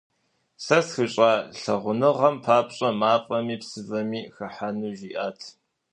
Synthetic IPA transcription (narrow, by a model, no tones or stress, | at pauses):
sɐsxɨɕʼaːɬɐʁʷʊnɨʁɐmpʰaːpʼɕʼɐmaːpʼɐmiːpsɨvɐmiːxɐħanuːʒiːʔaːtʰ